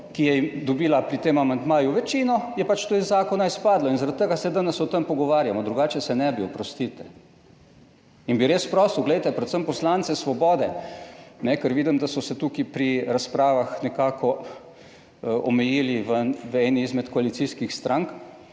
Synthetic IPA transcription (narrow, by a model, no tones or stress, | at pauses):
kijɛimd̪ɔbiːlapɾit̪eːmamand̪maːjuʋɛt͡ʃiːnɔjɛpat͡ʃt̪oizaːkɔnaispaːd̪lɔinzaɾat̪t̪ːəɡasɛd̪anɛsɔt̪əmpɔɡɔʋaːɾjamɔd̪ɾuɡaːt͡ʃɛsɛnɛbiɔpɾɔst̪it̪ɛ | inbiɾespɾɔst̪uɡlɛjt̪ɛpɾɛt̪səmpɔslant̪sɛsʋɔbɔːd̪ɛ | nɛkəɾʋiːd̪imd̪asɔsɛt̪ukipɾiɾaspɾaːʋaxnɛkaːkɔ | ɔmɛjiːliʋənʋɛniːzmɛt̪kɔalit̪siːskixst̪ɾaŋk